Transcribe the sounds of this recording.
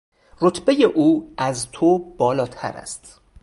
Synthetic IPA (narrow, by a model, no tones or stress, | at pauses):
ro̞t̪ʰbe̞jeʔuːæzt̪ʰob̥ɒːlɒːt̪ʰæ̰ɾæ̰st̪